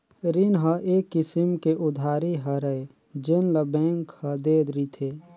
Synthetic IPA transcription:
ɾinɦəʔeːkːɪsimkeʔʊd̪ʱaːɾiɦəɾəe | d͡ʒenləbɛ̃ːŋkhəd̪eːd̪ɾit̪ʰeː

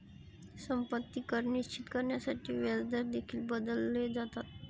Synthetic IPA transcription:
səmpət̪ːikəɾniɕt͡ɕit̪kəɾɳjasaʈiːʋjad͡zd̪aɾd̪ekʰiːlbəd̪əlːed͡zat̪at̪̚

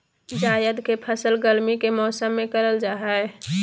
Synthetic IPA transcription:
d͡ʒaːjəd̪kepʰəsəlɡəlmikemɔːsəmːẽkəɾəld͡ʒaːɦɛɛ

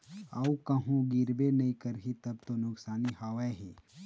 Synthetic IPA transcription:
ɐukɐɦũɡɪɾbenɐĩkɐɾɦĩt̪ɐb̚t̪onʊksaːnihaːʋaɦeː

